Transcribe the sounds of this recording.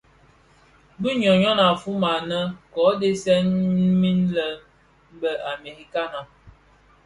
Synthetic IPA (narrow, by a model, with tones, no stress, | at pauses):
bi˦ɲɔ˨ɲɔ˦na˨fu˦ma˨nə˦kɔ˨˦de˦sɛ˦n˦mi˦nlə˨˦ | bə˨ʔa˨me˨ɾi˦ka˦na˨